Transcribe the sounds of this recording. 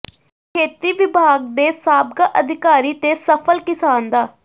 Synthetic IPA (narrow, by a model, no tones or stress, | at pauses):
kʰeːt̪iːʋɪbʱaːɡd̪eːsaːb̚ɡaːʔəd̪ʱɪkaːɾiːt̪eːsəpʰəlkɪsaːnd̪aː